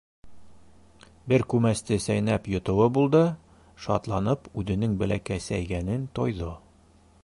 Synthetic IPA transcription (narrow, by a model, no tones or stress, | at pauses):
bɘɾkʉmæst̪ɘsæjnæpjŏt̪ɤ̆wɤbulˠd̪ɤ | ʃɒt̪lˠɑnɤpʉðɘ̆nɘŋbɘ̆lækæsæjɡænɘnt̪ɒjðɤ